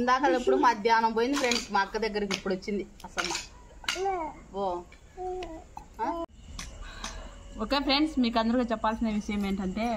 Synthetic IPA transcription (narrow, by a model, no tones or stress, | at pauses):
nd̪aːkɐlːipːuɽumaːd̪ʱjaːnɐmp̬oːjind̪ipʰɾeɳɖsmaːkːɐd̪ɐɡːɐɾɐk̬ipːuɽot͡ʃːind̪iɐsɐmːa | o | aː | okeːpʰɾeɳɖsmiːkɐnd̪ɐɾikaːt͡ʃɛpːaːlsindeːʋiʂɐjɐmeːɳʈɐɳʈe̞ː